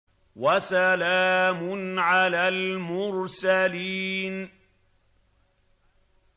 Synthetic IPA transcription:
wasalaːmʊnʕalaːlmʊɾsaliːn

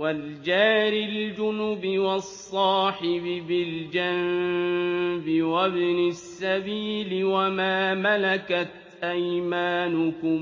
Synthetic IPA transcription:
wald͡ʒaːɾɪld͡ʒʊnʊbɪwɑsˤːɑːħɪbɪbɪld͡ʒan | bɪwabnasːabiːlɪwamaːmalakat̪̚ | ʔajmaːnʊkʊm

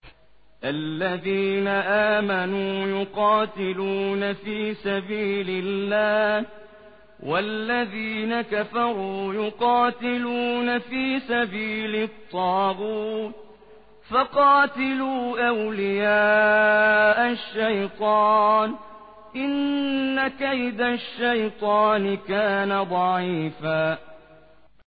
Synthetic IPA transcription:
ʔalːaðiːnaʔaːmanuːjʊqɑːt̪ɪluːnafiːsabiːlɪlːaːh | wʔalːaðiːnakafɑɾˤuːjʊqɑːt̪ɪluːnafiːsabiːlɪt̪ˤːɑːɣuːt̪̚ | fɑqɑːt̪ɪluːʔawlɪjaː | ʔaʃːajt̪ˤɑːn | ʔɪnːakajd̪aʃːajt̪ˤɑːnɪkaːnad̪ˤɑʕiːfaː

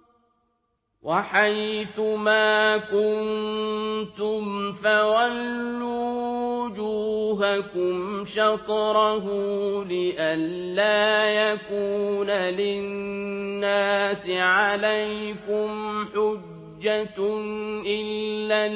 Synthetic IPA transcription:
waħajθʊmaːkʊnn | t̪ʊmfawalːuuːwʊd͡ʒuːɦakʊmʃɑt̪ˤɾɑɦʊlɪʔanːaːjakuːnalɪnːaːsɪʕalajkʊmħʊd͡ʒd͡ʒːanʔɪllːa

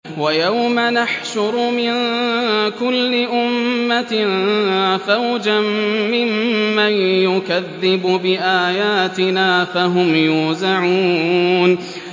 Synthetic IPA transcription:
wajawmanaħʃʊɾmɪn | kʊlːɪʔʊmmːa | fawd͡ʒamːɪmːanjʊkaðːɪbʊbɪʔaːjaːt̪ɪnaːfaɦʊmjuːzaʕuːn

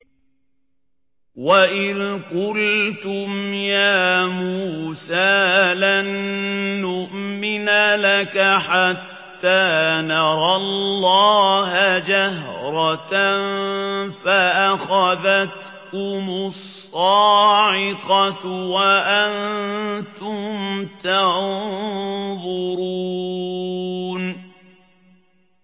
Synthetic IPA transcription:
waʔɪðqʊlt̪ʊmjaːmuːsaːlanː | ʊʔmɪnalakaħat̪ːaːnɑɾˤɑlːɑːɦad͡ʒahɾˤɑt̪ | faʔaxaðat̪ | kʊmʊsˤːɑːʕɪqɑwaʔant̪ʊmt̪a | ðˤʊɾu | n

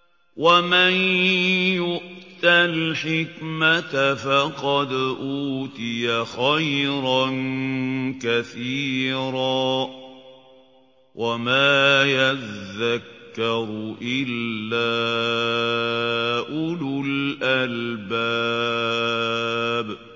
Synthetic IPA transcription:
wʔaman | jʊʔt̪alħɪkmat̪afɑqɑd̪ʔuːt̪ɪjaxajɾɑn | kaθiːɾaː | wʔamaːjaðːakːɑɾˤʔɪlːaː | ʔʊlʊlʔalbaː | b

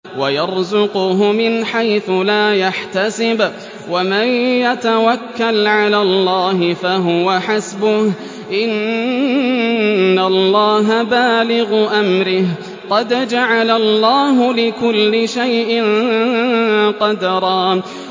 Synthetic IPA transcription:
wajɑɾˤzʊqʊɦʊmɪnħajθʊlaːjaħt̪asɪb | wamanjat̪awakːalʕalaːlːɑːɦɪfaɦʊwaħasbʊh | ʔɪn | alˤːɑːɦabaːlɪɣʊʔamɾɪh | qɑd̪d͡ʒaʕalalˤːɑːɦʊlɪkʊlːɪʃajʔɪn | qɑd̪ɾˤɑː

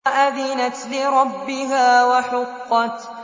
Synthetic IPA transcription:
ʔaðɪnat̪lɪɾˤɑbːɪɦaːwaħʊqːɑt̪

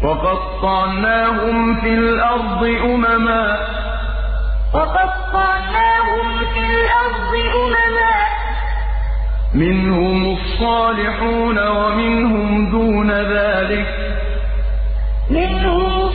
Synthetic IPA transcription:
fɑqɑd̪tːˤɑʕnaːɦʊmfiːlʔɑɾˤd̪ˤɨʔʊmamaːʔ | fɑqɑd̪̚qˤːɑʕnaːɦʊm | fiːlʔɑɾˤd̪ˤɨʔʊmamaːʔ | mɪnhʊmʔɑsˤːɑːlɪħuːnawamɪnhʊmd̪uːnaðaːlɪk | mɪnhʊm

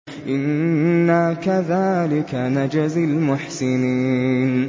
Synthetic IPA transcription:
ʔɪnːakaðaːlɪkanad͡ʒazalmʊħsɪniːn

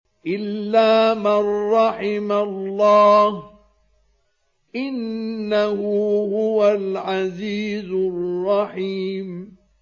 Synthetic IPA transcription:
ʔɪlːaːmarːɑħɪmalːɑːh | ʔɪnːahʊhʊwalʕaziːzʊrːɑħiːm

